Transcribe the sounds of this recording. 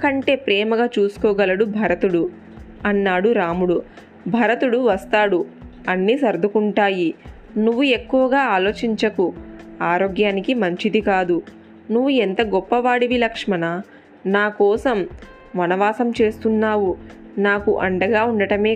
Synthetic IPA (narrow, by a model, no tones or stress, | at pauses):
kɐɳʈe̞ːpɾɛːmɐɡaːt͡ʃuːsu̥kɔːɡɐlɐɽubʱɐɾɐt̪uɽu | ɐnːaːɽuɾaːmuɽu | bʱɐɾɐt̪uɽuʋɐst̪aːɽuɐnːiːsɐɾd̪ʱukuɳʈaːji | nuʋːue̞kːuʋɐɡaːaːlo̞ːt͡ʃiɲt͡ʃɐkuaːɾoːɡjaːnikimɐɲt͡ʃid̪ikaːd̪u | nuʋːuent̪ɐɡɔpːɐʋaːɽiʋilɐkʂmɐnɐ | naːkɔːsɐm | ʋɐnɐʋaːsɐmt͡ʃe̞ːst̪unːaːʋu | naːkuʔɐɳɖɐɡaːuɳɖɐʈɐme̞ː